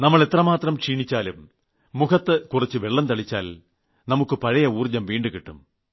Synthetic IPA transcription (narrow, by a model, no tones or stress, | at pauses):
nɐmːɐɭe̞t̪rɐmaːt̪rɐmʂiːɳit͡ɕːaːlumː | ukʰɐt̪ːɨkurit͡ɕːɨʋe̞ɭːɐnt̪ɐɭit͡ɕːaːl | nɐmukːɨpɐɻɐjɐuːrd͡ʑːɐmʋiːɳɖɨkiʈːum